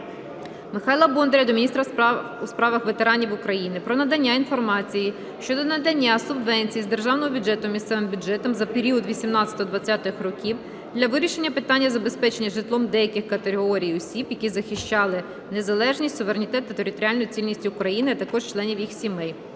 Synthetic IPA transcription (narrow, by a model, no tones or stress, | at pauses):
mɪxɑjlˠɐbɔnd̪ɾʲɐd̪ɔmʲnʲist̪ɾɐ | uspɾɑʋɐxʋe̞t̪e̞ɾɑnʲiwʊkɾɐjinɪpɾɔnɐd̪ɐnʲːainfɔrmɑt͡sʲiji | ʃt͡ʃɔd̪ɔnɐd̪ɐnʲːasʊbʋɛnʲt͡sʲijizd̪erʒɑwnɔɦɔbʲʊd͡ʒɛt̪ɔmʲist̪sɛʋɪmbʲʊdd͡ʒɛt̪ɔmzɐpeɾʲiɔd̪ʋʲisʲimnɑt͡sʲɐ̥t̪ɔɔd̪ʋɐt͡sʲːat̪ɪxrɔkʲiw | d̪lʲɐʋɪɾʲiʃe̞nʲːɐpɪt̪ɑnʲːɐzɐbe̞spɛt͡ʃe̞nʲːɐʒɪt̪lˠɔmd̪ɛjɐkɪxkɐt̪eɦɔɾʲijɔsʲibjɐkʲizɐxɪʃt͡ʃɑlˠɪ | ne̞zɐlˠɛʒnʲisʲtʲsʊʋeɾenʲit̪ɛt̪ːɐt̪eɾʲɪt̪ɔɾʲɪalʲnɔjʊt͡sʲilʲnʲisʲtʲiːkɾɐjinɪɐt̪ɐkɔʃt͡ʃlˠɛnʲiʋjixsʲimɪj